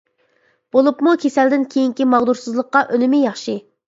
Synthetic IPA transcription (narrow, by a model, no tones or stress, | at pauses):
b̥olˠupmukʲʰesɛld̪ɪnkʲʰejiŋkʲimɑʁd̪uɾsɨzlˠəqːɑʔønɪmɪjɑχʃɨ